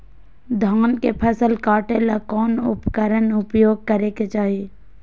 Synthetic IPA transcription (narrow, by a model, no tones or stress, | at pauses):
d̪ʱaːnkepʰəsəlkaːʈelakɔːnʊ̰pkəɾənʊpjoːɡ̚kəɾeket͡ʃaːɦie